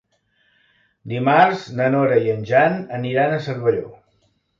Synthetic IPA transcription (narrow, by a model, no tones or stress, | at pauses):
d̪imarznənoɾəiənʲʒanəniɾanəsəɾβəʎo̰